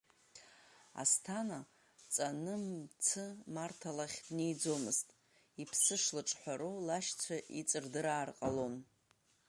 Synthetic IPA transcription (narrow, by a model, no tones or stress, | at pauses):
a̰stʰana | t͡sʼanɨmt͡sʰɨmartʰalaχʲdnejd͡zo̞mɨztʼ | ipʰsɨʂlɨʈ͡ʂʼħʷaɾulaʃt͡sʷʰaʔit͡sʼɨrdɨɾaːrqʼalo̞n